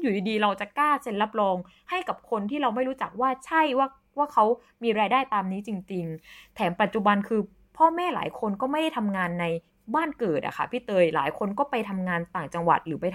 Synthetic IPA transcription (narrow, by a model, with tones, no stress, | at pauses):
juː˨˩diː˧diː˧ɾa˧wt͡ɕa˨˩kaː˥˩se˧nla˦˥˩p̚lɔː˧ŋ | ha˥˩jka˨˩p̚kʰo˧nt̪ʰiː˥˩ɾa˧wma˥˩jɾuː˦˥t͡ɕa˨˩k̚waː˥˩t͡ɕʰa˥˩jwaː˥˩ | waː˥˩kʰa˦˥w | miː˧ɾaː˧jdaː˥˩jt̪aː˧mniː˦˥t͡ɕi˧ŋt͡ɕi˧ŋt̪ʰɛː˩˦mpa˨˩t̪̚t͡ɕu˨˩ba˧nkʰɯː˧ | pʰɔː˥˩mɛː˥˩la̰ː˩˦jkʰo˧nkɔː˥˩ma˥˩jda˥˩jt̪ʰa˧mŋaː˧nːa˧j | baː˥˩nkɤː˨˩t̪̚ʔa̰˨˩kʰa̰˦˥˩pʰiː˥˩t̪ɤː˧jla̰ː˩˦jkʰo˧nkɔː˥˩pa˧jt̪ʰa˧mŋaː˧nt̪aː˨˩ŋt͡ɕa˧ŋwa̰˨˩t̪̚ɾɯː˩˦pa˧j